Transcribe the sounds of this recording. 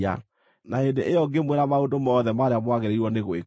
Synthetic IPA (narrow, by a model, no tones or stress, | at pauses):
a̰ | naendeʔejɔɡemweɾamaondomɔðɛmaɾeamwaɣeɾeiɾwɔneɣoe